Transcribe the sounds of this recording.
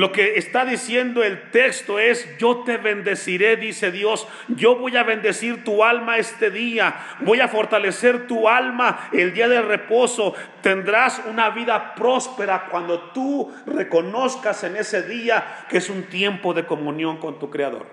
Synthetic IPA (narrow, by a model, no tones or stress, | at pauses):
lo̞ke̞ːst̪aðisje̞nd̪o̞e̞lt̪e̞kst̪o̞e̞sɟ͡ʝo̞t̪eβe̞nd̪e̞siɾe̞ðise̞ðjo̞s | ʝo̞βo̞jaβe̞nd̪e̞siɾt̪ualmae̞st̪e̞ðia | bo̞jafo̞ɾt̪ale̞se̞ɾt̪ualmaeld̪iaðe̞lre̞po̞so̞t̪e̞nd̪ɾasunaβiðapɾo̞spe̞ɾakwand̪o̞t̪u | re̞ko̞no̞skase̞ne̞se̞ðiakeesunt̪je̞mpo̞ðe̞ko̞mũnjo̞ŋko̞nt̪ukɾeaðo̞̰ɾ